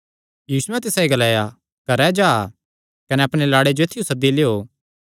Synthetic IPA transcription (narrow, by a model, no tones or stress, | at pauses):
juːsʊɛ̃t̪ɪsaiɡɐlaːja | kɐɾɛd͡ʒaː | kɐnɛɐpɽ̃elaːɽed͡ʒoeːt̪ʰːɪjõsɐd̪ːileːoː